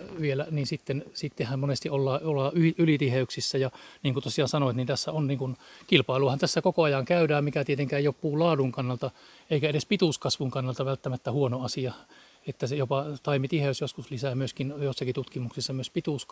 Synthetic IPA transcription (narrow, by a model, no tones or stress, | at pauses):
ʋielæniːnsit̪ːensit̪ːehæmmonest̪iolːɑːolːɑːyhiylit̪iheyksisːæjɑniːŋkut̪osiɑːnsɑnoet̪nint̪æsːæonniːŋkunkilpɑiluɑhɑnt̪æsːækokoɑjɑŋkæydæːmmikæt̪iet̪eŋkæːjopːuːlɑːduŋkɑnːɑlt̪ɑ | eikæeɾespit̪uˑskɑsʋuŋkɑnːɑlt̪ɑʋælt̪ːæmæt̪ːæhuonoɑsiɑ | et̪ːæsejopɑt̪ɑimit̪iheysjoskuslisæːmyøskinjosːɑkit̪ut̪kimuksisːɑmyøspit̪uˑsk